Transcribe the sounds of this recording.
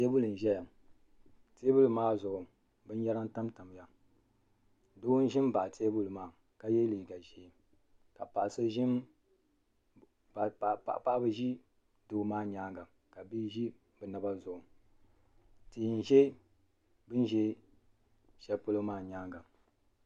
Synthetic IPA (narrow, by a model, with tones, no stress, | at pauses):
te˦bʊ˦lɨ˨n̩˨ʒɛ˦ja˨ | te˦bu˦lɨ˨maː˦zʊ˨ʊ˨ | bɨ˦n˦jɛ˦ɾa˦n˦ta˦mta˨m˨ja˨ | doː˦n̩˦ʒɪ˦m˦ba˨te˦bʊ˦lɨ˨maː˨ | ka˦jɛ˦li˨ɡa˨ʒɛ˨ | ka˨pa˨ʔsɨ˦ʒɪ˦m | bpa̰˨ʔpa˦bɨ˦ʒi˦ | doː˨maː˦ɲaː˦ŋɡa˨ | ka˨bi˦ʒi˦ | bɛ˨na˨˦ba˦zʊ˨ʔʊ˨ | ti˨n˨ʒe˦ | bɨ˦n˦ʒɛ˦ | ʃɛ˨po˦lo˦maː˦˨ɲaː˦ŋɡa˨